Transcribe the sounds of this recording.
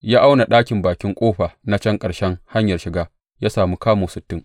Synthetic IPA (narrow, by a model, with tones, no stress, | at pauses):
jaː˦ʔa˦wna˨ɗaː˦kʲɪ˨mbaː˨kʲɪ˦ŋkʷʼoː˦ɸa˨na˦t͡ʃɐ˦ŋkʼɐ˨ɽʃɛ˦ŋha˦ɲjɐ˨rʃɪ˨ɡaː˦ | jaː˦saː˨mu˦kaː˦moː˨sɪ˨tːɪ˦ŋ